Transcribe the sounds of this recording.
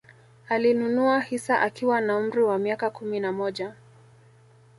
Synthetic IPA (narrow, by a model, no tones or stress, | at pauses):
alinunuahisaʔakiwanaum̩ɾiwamiakakuminamɔʄa